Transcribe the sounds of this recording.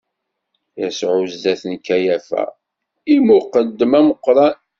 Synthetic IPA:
jæsʕuzd̪æθənkːæjæfæ̰ | imʊqəd̪ːəmæməqːɾˤɑn

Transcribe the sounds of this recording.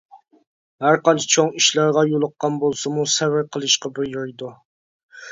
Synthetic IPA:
hæɾqɑnt͡ʃʰi̥t͡ʃʰoŋiʃlɑɾʁɑjolˠəqːɑnbolˠsɨmusɛvɪɾqʰəlˠɨʃqɑbɪɾjɑjd̪u

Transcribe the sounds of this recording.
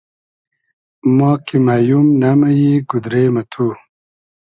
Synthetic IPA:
mɑːkimaːjumnamɐjiɡud̪ɾemɐt̪ʰu

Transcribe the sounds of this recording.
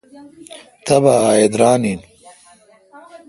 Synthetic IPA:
t̪ɐbaaːjed̪ɾaːnin

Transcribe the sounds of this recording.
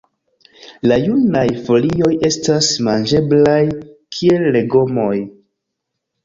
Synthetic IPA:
lajunajfo̞lio̞je̞stasmand͡ʒe̞blajkʰie̞lːeɡo̞mo̞j

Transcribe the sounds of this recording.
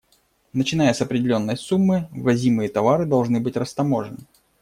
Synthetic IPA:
nət͡ɕɪnajəsɐpɾʲɪdʲɪlʲo̞nːəjsumːɨvɐzʲimɨjət̪ɐvaɾɨd̪ɐlˠʐnɨbɨtʲrəst̪ɐmo̞ʐɨnɨ

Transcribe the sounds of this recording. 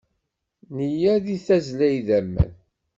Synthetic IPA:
nijæðiθæzlæjðæmːə̰n

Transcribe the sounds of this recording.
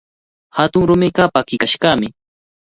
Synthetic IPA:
hat̪ʊŋɾʊmɪkɑpakɪkaʃkɑːmɪ

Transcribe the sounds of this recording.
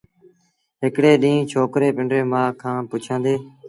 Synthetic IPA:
ɦɪkɽeːɗĩːt͡ʃʰoːkɾeːpɪ̃ɳɖɾeːmãːkʰãːpʊt͡ʃʰãːnd̪eː

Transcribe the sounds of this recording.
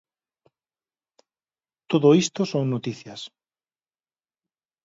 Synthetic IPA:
t̪oðoist̪osoŋnot̪iθjɐs

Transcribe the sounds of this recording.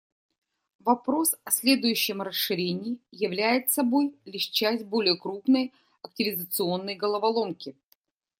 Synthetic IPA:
vɐpɾo̞sɐsʲlʲe̞d̪ʊjʉɕːɪmɾəsʂɨɾʲenʲɪːjɪvlʲæjɪt̪sɐbo̞jlʲɪʂt͡ɕæsʲt̚ʲbo̞lʲɪjəkɾupnəj | ɐk̚tʲɪvʲɪzət̪sɨo̞nːəjɡəlˠəvɐlˠo̞mkʲɪ

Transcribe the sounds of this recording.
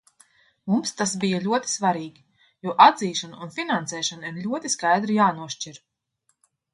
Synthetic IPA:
mumst̪as̬bijalʲuɔt̪i̥svaɾiːɡʲi | juːʔad̪ziːʃanaunfʲinansɛːʃaniɾlʲuɔt̪iskajd̪ɾijaːnuɔʃt͡ʃiɾ

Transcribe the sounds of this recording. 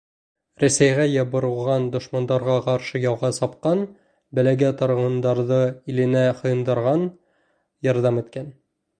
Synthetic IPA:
ɾæsæjʁæjɑbɤ̆ɾɤ̆lˠʁɑnd̪ŏʃmɑnd̪ɑɾʁɑqɑɾʃɤjɒwˠʁɑsɑp̚qɑn | bæ̆læɡæt̪ɑ̆ɾ̆ʁɤ̆nd̪ɑɾðɤilɘ̆næχŏjɤ̆nd̪ɑɾʁɑn | jɑɾðɑmit̪kæn

